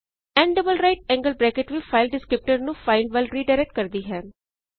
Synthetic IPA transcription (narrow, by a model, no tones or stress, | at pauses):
ɛ̃ɳɖəbəlɾaɪʈ̚ɛ̃ŋɡəlbɾɛːkɪʈʋifaɪlɖɪskɾɪp̚ʈəɾnũfaɪlɖʋaɪlɾiːɖaɪɾɛk̚ʈ̚kɐɾd̪iːɦɛ̃ː